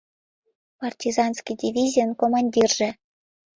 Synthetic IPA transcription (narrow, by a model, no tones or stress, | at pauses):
pɑrtʲizɑnskidʲivʲizʲijənkomɑnʲdʲirʒĕ